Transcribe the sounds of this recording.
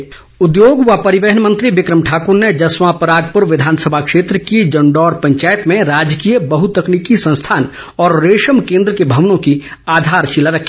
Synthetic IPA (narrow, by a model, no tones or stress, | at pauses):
ʊd̪joːɡʋapɐɾɪʋeɦənmə̃nt̪ɾiʋɪkɾəmʈʰaːkʊɾned͡ʒɐsmãpɾaːɡ̚pəɾʋɪd̪ʱaːnsəbʱakʃeːt̪ɾəkid͡ʒɐɳɖɔːɾpɐ̃ɲt͡ʃaːjət̪mẽɾaːd͡ʒkiːjəbəɦut̪əkniːkisɐ̃st̪ʰaːn | ɔːɾːeːʃəmkẽːnd̪ɾəkebʱɐʋnõki | aːd̪ʱaːɾt͡ʃilaɾɐkʰi̥